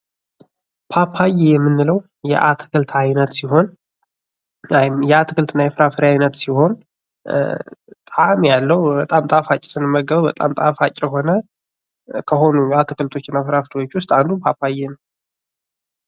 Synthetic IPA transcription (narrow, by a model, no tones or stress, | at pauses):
pʰapʰajejɛmːɨnːɨləw | jɛ̰ʔat̪ʰɨ̥kʰɨlt̪ʰajnət̪siɦo̞n | ajɪmjɛat̪ʰɨkʰɨlt̪ɨnːajɛfɨɾafɨɾajnət̪siho̞n | t̪ʼamjalːəwbət̪ʼamt̪ʼafat͡ʃʼːɪ̥sɨnɨmːəɡəβəbət̪ʼamt̪ʼa̰fat͡ʃʼɪəɦo̞nə | kʰəɦo̞nujat̪ʰɨkʰɨlt̪ʰo̞t͡ʃːɪnːafɨɾafɨɾiwot͡ʃːwʊst̪ʼand̪umpʰapʰajenəw